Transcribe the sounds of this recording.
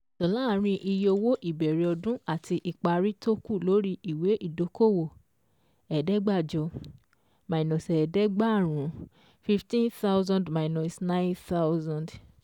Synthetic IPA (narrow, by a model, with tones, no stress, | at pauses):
tɔ˨la˦˨ɾ̃ĩ˧ʔi˧jo˧wo˦ʔi˦˨bɛ˨ɾe˨ɔ˧dũ˦a˦˨tʰi˧ʔi˨k͡pa˧ɾi˦to˦ku˦˨lo˨˦ɾi˦i˨we˨˦ʔi˦˨do˨˦ko˦˨wo˨ | ɛ˨dɛ˨˦ɡ͡ba˦˨d͡ʒɔ˧ | mã˨i˨nɔ̃˨sɛ˨dɛ˦ɡ͡ba˦˨ɾ̃ũ˨˦ | fi˧˦ftĩ˦nθa˦wzã˧ndma˨i˨nɔ̃˨snã˦nθa˦zã˨nd